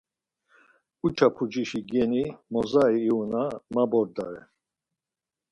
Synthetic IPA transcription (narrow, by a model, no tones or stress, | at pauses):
ut͡ʃʰapʰud͡ʒiʃiɡɛnimɔzaiːunamabɔɾd̪aɾɛ